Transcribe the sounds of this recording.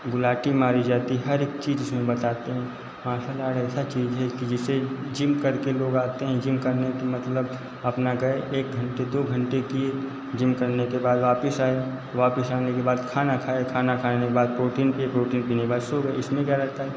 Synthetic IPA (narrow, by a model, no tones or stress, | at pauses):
bʊlaːʈimaːɾid͡ʒaːt̪iɦɐɾeːkt͡ʃiːd͡ʒɪsmẽbɐt̪aːt̪eɦɛ̃ː | maaʃaːlaːɾɛːsat͡ʃiːzɦɛkid͡ʒɪsed͡ʒɪmkɐɾkeloːɡaːt̪eɦɛ̃d͡ʒɪmkɐɾnekemɐt̪ləb | ɐpnaɡɐeʔeːk̚ɡʱɐ̃ɳʈed̪oːɡʱɐ̃ɳʈekie | d͡ʒɪ̃mkɐɾnekebaːd̪ʋaːpəsaːe | ʋaːpəsaːnekebaːd̪kʰaːnakʰaːekʰaːnakʰaːnekebaːd̪̚pɾoːʈiːnpipɾoːʈiːnpinẽkbaːd̪soɡəeɪsmẽkjaɾɐɦt̪aɦɛ